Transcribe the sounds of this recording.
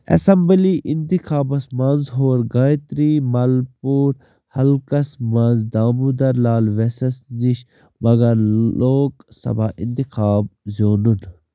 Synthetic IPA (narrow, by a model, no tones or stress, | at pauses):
ɐ̰sɐmbliʔint̪ikʰaːbɐsmaːnzɦoːɾɡaːjt̪ɾiːmɐlpuːɾ | hɐlkɐsmaːnzd̪aːmud̪ɐɾlaːlʋesɐsniʃ | mɐɡɐɾoːksɐ̰baːʔḭnt̪ikʰaːb̚zoːnun